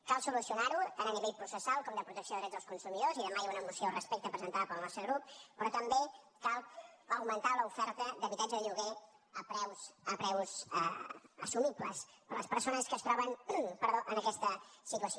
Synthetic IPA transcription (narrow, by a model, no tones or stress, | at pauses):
kalˠsulusiunaɾut̪anəniβeʎpɾusəsalˠkɔmd̪əpɾut̪əksioðɾɛzðəlskunsumiðoziðəmajaunəmusijorəspɛk̚t̪əpɾəzənt̪aðəpəlˠnɔst̪ɾəɣɾup̚pɾɔt̪əmbe | kalˠəwmənt̪aləufɛɾt̪əd̪əβit̪ad͡ʒəðəʎuɣe | əpɾɛwsəpɾɛwzə̰əsumipləspələspəɾsonəskəst̪ɾɔβənpəɾðoʔənəkɛst̪əsit̪uəso